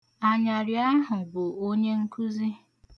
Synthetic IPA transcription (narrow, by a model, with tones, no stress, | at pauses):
a˨ɲa˨ɾɪ˨a˦ɦʊ˨ɡ͡bo˨o˦ɲe˦ŋ̩˦kʰu˦zi˦